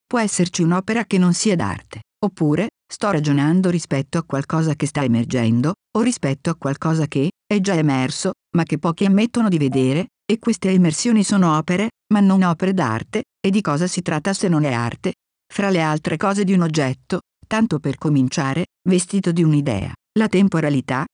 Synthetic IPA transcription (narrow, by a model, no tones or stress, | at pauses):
pwɔɛsːert͡ʃiunɔːpeɾakenːonsiːad̪a̰rt̪e̥ | opːuːɾe | st̪ɔrad͡ʒonand̪oɾispɛt̪ːoakwalkɔːzakest̪aemerd͡ʒɛnd̪oorːispɛt̪ːoakwalkɔːzakeɛd͡ʒaemɛrso | makːepːɔːkiamːet̪ːonod̪ived̪eːɾe | ekːwest̪eemersjoːnisoːnoɔːpeɾe | manːonɔːpeɾed̪a̰rt̪e | ed̪ːikɔːzasit̪ɾat̪ːasenːonea̰rt̪e | fɾalealt̪ɾʔekɔːzed̪iunod͡ʒːɛt̪ːo | t̪ant̪operkomint͡ʃaːɾe | vest̪it̪od̪iunid̪ɛ̰ːa̰ | lat̪empoɾalit̪a